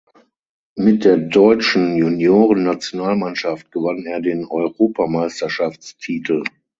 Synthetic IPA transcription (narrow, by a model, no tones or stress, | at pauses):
mɪt̚d̥eːɐdɔʏt͡ʃn̩junjoːʁənːat͡sjonaːlmanʃaft̚ɡ̥əvaneːɐdeːnɔʏʁoːpʰamaɪstɐʃaft͡stʰiːtʰl̩